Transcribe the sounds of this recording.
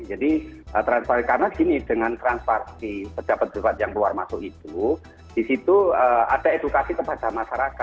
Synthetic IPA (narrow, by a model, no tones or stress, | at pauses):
d͡ʒadiʔət̪ɾanspakarənaɡinid̥əŋant̪ɾanspaɾsipəd̥abat̪̚d̥ubat̪̚jaŋluarmasʊʔit̪u | d̥isit̪uəa̰d̥aed̥ukasikəpad̥amaʃaɾaka